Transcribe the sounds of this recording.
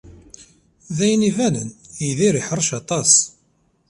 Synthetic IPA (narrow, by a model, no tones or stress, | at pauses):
ðæjnivænəniðiɾiħəɾˤʃɑt̪ˤɑs